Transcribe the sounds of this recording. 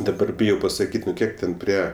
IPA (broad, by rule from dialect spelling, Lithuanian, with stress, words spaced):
dɐˈbɐr ˈbʲɪjɛʊ pɐsɐˈkʲiːtʲ nʊ ˈkʲiɛk tʲɛn ˈpʲrʲiɛ